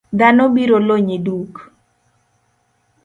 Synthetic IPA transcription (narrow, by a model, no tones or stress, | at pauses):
d̪anobiɾoloɲeduk